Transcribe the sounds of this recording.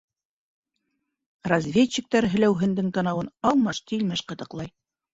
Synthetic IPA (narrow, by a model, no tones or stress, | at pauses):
rɐzʲvʲet͡ɕːɘ̆k̚t̪æɾɦɵ̆læwɦɘ̆nd̪ɘŋkɑnɑwɤnɑlˠmɑʃt̪ilmæʃqɤ̆t̪ɤ̆qlˠɑj